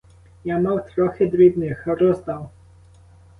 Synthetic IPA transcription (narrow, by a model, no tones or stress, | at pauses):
jamawt̪ɾɔxɛd̪ɾʲid̪nɪxɾɔzd̪aw